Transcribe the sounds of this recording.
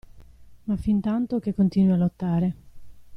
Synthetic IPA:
mafint̪ant̪ok̟ekːont̪iːnwialːot̪ːaːɾe

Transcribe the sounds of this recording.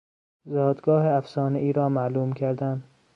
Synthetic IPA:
zɒːd̪ɡɒːheæfsɒːneʔiːɾɒːmæːluːmkʰæɾd̪ænd̪̥

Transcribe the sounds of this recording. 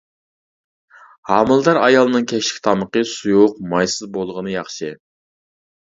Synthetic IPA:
hɑmɨlˠd̪ɑɾɑjɑlˠɨnɨŋkʲʰɛkʲʃɪ̥kʲt̪ʰɑməqəsujʊq̚mɑjsɨzbolˠʁənɨjɑχʃɨ

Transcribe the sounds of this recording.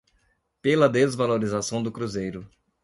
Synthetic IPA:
pelɐd̪ezvaloɾizasɐ̃w̃d̪ʊkɾuzejɾʊ

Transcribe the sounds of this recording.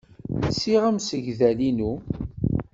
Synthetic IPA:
nsiʁæmsəʝðælinu

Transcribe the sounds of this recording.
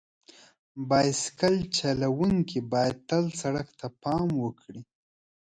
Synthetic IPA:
bɑjskalt͡ʃalawuŋkibɑjad̪̚t̪alsaɽakt̪apɑmwəkɽi

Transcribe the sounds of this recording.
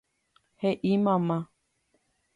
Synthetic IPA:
heʔimãmã

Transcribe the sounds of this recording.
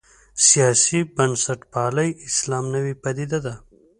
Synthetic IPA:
sijɑːsibɐnsaʈpɑːləjɪslɑːmnəwipad̪id̪ad̪a

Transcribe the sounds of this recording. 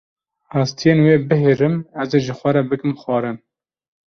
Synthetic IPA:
ɑːst̪ʰijeːnweːbɨɦeɾɨmɛzeʒɨxʷɛɾɛbɨkɨmxwɑːɾɨn

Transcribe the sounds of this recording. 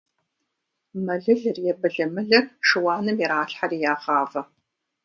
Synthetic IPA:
mɐɮɨɮɨrjɛbɨɮɐmɨɮɐrʂɨwɑːnɨmjiɾaːɬħariːjaːʁaːvɐ

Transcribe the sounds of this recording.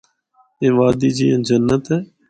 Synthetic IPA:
ẽːʋaːd̪iːd͡ʒiːə̃ːd͡ʒənːət̪ɦɛː

